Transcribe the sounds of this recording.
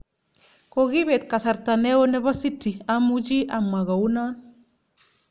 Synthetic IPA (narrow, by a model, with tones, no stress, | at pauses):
kɔɣiβe˨t̪ka˨sa˨ɾta˨nɛ˦wɔ˦nɛ˦βa˦sitːi˨amut͡ʃi˦ʔamːa˨ɣa˨u˦na˦n